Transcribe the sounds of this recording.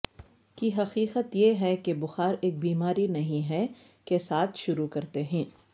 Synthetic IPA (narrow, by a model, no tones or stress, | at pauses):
kiɦɐqiːqət̪jeɦɛkebʊxaːɾeːk̚biːmaːɾinɐɦĩɦɛ | kesaːt̪ʰʃʊɾukɐɾt̪eɦɛ̃ː